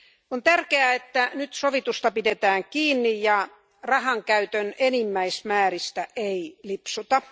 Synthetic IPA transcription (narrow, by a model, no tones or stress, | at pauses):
ont̪ærkeæet̪ːænyt̪soʋit̪ust̪ɑpidet̪æːŋkiːnːijjɑ | rɑhɑŋkæyt̪ønenimːæismæːrist̪æʔeilipsut̪ɑ